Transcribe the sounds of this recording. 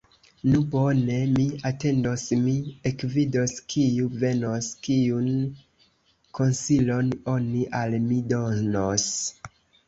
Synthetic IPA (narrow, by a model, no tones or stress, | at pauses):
nubo̞ne̞miate̞ndosmiekvidoskʰiuve̞noskiun | kʰo̞nsilo̞no̞niʔalmido̞nos